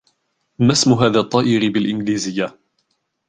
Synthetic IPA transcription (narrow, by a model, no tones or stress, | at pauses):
masmʊɦaːðaːt̪ˤːɑːʔɪɾɪbɪlʔɪnɡliːzɪjːa